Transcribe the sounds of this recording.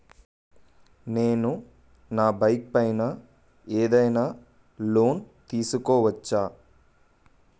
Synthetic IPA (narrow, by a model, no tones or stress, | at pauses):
neːnu | naːbɐjk̚pɐjna | eːd̪ɐjnaː | lo̞ːn | t̪iːsukɔːʋɐt͡ʃːaː